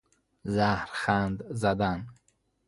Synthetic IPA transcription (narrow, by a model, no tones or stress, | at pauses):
zahɾχand̪zad̪an